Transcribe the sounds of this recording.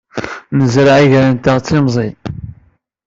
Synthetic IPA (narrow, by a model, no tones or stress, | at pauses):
nəzɾaʕiʝɾənt̪aʁt͡sːimzˤi